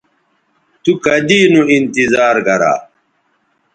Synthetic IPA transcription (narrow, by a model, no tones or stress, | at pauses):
t̪ukɐd̪iːnũint̪izaːɾɡɐɾa̰ː